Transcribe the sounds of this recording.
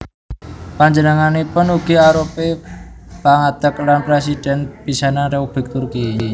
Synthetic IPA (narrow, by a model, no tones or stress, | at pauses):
paɲd͡ʒənəŋanipʊnuɡ̥i̤aɾope | paŋad̪̥əklanpɾesid̪̥ɛnb̥isanaɾeub̥ɪ̤k̚t̪urki